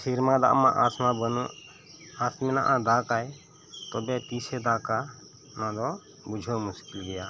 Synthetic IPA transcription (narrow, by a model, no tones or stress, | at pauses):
sʰiɾmãd̪a̰ʔmã̰ʔasmãbənũ | at̪mɛnã̰ʔãd̪aːkaj | t̪ɔbɛt̪iːsɛd̪aːka | nãd̪ɔ | bud͡ʒʱɔmʊskɪlɡɛjaː